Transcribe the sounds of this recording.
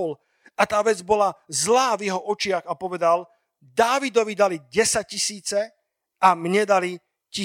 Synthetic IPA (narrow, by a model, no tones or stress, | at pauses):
l | at̪aːʋɛd͡zbɔlazlaːvjɛɦɔʔɔt͡ʃɪaɣapɔʋɛd̪al | d̪aːʋid̪ɔʋid̪aliɟɛsac̚cisiːt͡sɛ | amɲɛd̪ali | ci